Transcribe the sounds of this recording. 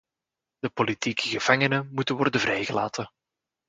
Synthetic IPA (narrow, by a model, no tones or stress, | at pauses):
d̪̥əpolitiːkəɣəv̥aŋənəmutənʋɔrdəvrɛjɣəla̰ːtən